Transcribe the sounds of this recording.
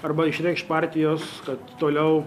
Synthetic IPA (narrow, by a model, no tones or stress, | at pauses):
ɐrbɐɪʃʲɾʲɛɪkʃtpɑːrʲt̪ʲɪjoːskɐt̪t̪oːlʲɛʊ